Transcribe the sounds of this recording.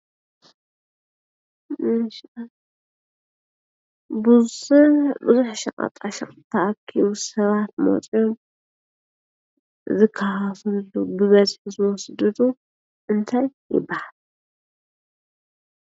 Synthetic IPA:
mɨʃ | bɨsɨbɨzuħʃɐ̰qʼɐ̰t̪ʼaʃɐχʼt̪ʰːɐʔakʰːiβusɐβat̪̚mo̰t͡sʼjom | zɨkʰːahɐfɨlubɨβɐzħuzɨwɔsd̪ɨd̪u | ʔɨnt̪ʰajːɪ̰bːahal

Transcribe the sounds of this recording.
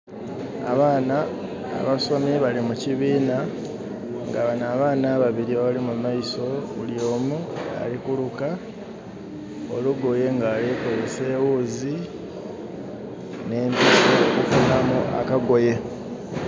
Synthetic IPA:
a̰βaːna̰ː | βaso̞miβalimuciβiːna | ŋɡaβanaːβaːnaβaβiɾiβaβalimumajiso̞βṵljo̞ːmua̰likuluka | oluɡo̞je̞ŋɡaːliko̞zese̞ːwuːzi | ne̞ːmpisokufunamuʔa̰kaɡo̞je̞

